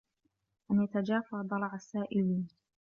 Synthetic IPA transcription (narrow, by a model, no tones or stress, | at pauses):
ʔanjat̪ad͡ʒaːfaʕd̪ˤɑlˤɑʕasːaːʔɪliːn